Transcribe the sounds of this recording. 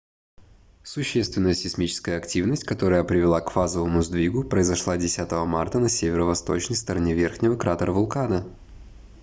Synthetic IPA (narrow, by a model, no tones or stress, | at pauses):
sʊɕːest̪vʲɪnəjəsʲɪsmʲit͡ɕɪ̥skəjəɐktʲivnəsʲtʲkɐt̪o̞ɾəjəpɾʲɪvʲɪlˠakfazəvəmʊzd̪vʲiɡʊpɾəɪzɐʂlˠadʲɪsʲat̪əvəmart̪ənɐsʲevʲɪɾəvɐst̪o̞t͡ɕnəjst̪əɾɐnʲevʲe̞rxnʲɪvəkɾat̪əɾəvʊlˠkanə